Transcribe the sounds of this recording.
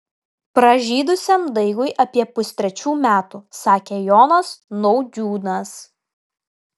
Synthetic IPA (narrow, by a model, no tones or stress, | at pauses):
pɾɐʒʲiːd̪ʊsʲemd̪ɐɪɡʊɪʔɐpʲiɛpʊsʲt̪ʲɾʲɛt͡ʃʲuːmʲæːt̪usɑːkʲejoːnɐsnɔʊd̪ʲuːnɐs